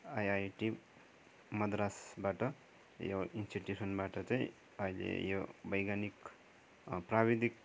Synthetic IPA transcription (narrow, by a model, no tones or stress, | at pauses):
ajajʈi | mʌd̪ɾasbaʈʌ | joinsʈiʈjusʌnbaʈʌt͡saĩ | ʌilḛjobʌjɡanik | prabid̪ik̚